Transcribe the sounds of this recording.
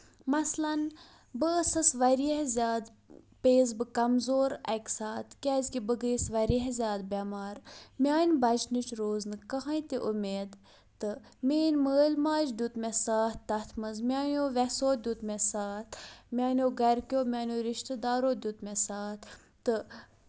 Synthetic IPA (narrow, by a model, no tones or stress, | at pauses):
mɐslɐn | bəsɐsʋɐɾiɦzʲaːd̪ | peːzbɨkɐmzoːɾɐ̰kʲsaːt̪kʲaːzkibəɡəːsʋɐɾiɦezʲaːd̪̚bʲamaːɾmʲaːnbɐd͡ʒnit͡ʃɾoːznɨkɐɦajt̪iʔumeːd̪ | t̪ɨ | meːnməːlʲmaːd͡ʒd̪ʲut̪mʲɛsaːht̪ːɐt̪ʰmɐzmʲaːnʲoːʋɛsoːd̪ʲut̪mʲɛsaːt̪mʲaːnoːɡɐɾkʲoːmʲaːnʲoːɾiʃt̪əd̪aːɾoːd̪ʲut̪mesaːt̪ | t̪ɨ